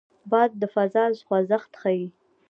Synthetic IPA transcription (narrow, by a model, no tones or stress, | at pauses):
bɑd̪̚ːəfazɑzxwazaxt̪xawi